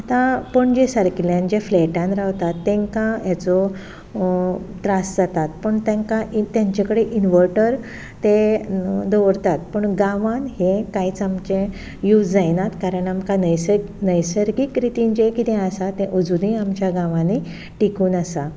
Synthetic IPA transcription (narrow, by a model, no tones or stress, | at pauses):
at̪ãpəɳd͡ʑesaɾkiljãnd͡ʑefleʈãnɾaʋt̪at̪ːẽŋkãjat͡sɔ | ʈɾasd͡zat̪at̪pəɳt̪ẽŋkait̪jaɲt͡ɕakəɽeʔinʋəɾʈəɾ | t̪e | d̪oʋəɾt̪at̪̚pəɳɡãʋãnɦekait͡samt͡ɕẽ | jut͡sd͡zajnat̪kaɾəɳamkanəjnəjsəɾɡikɾit̪iɲd͡ʑekit̪ẽasat̪ẽʔod͡zuniamt͡ɕjaɡãʋãne | ʈikuːnasa